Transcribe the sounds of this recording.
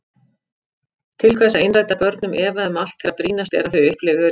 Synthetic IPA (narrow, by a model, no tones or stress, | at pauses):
t̪ʰɪlkʰvɛsaejnrajt̪apœɾt̪nʏmʔɛːvaɛmal̥t̪fɛɾapɾiːnast̪ɛ̰ɾaθʏɥʏhplɪvɪœ